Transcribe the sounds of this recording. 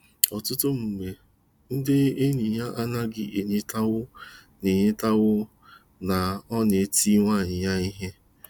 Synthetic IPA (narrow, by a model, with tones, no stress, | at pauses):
ɔ˨tʊ˦tʊ˦m̩˨ɡ͡be˨ | n̩˦dɪ˦e˦ni˨ja˦ʔa˦na˦ɡɪ˦ʔe˨ɲɪ˦ta˦wʊ˦ | ne˨ɲɪ˦ta˦ɣʊ˦ | na˨ɔ˦ne˨˦ti˦ŋʷa˦˨ɲɪ˨ja˦i˦ɦe˦